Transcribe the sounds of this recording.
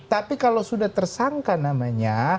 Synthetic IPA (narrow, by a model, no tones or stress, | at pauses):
t̪apikalawsudaht̪ərsaŋkanamaɲa